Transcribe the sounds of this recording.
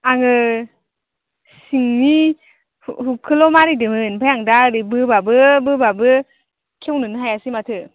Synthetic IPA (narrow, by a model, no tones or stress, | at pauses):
aŋɯ | siŋni | hɦukʰɯlɔmaɾidɯmɯnbʰajaŋdaɾibɯbabɯbɯbabɯ | kʰewnɯnɯɦajasimatʰɯ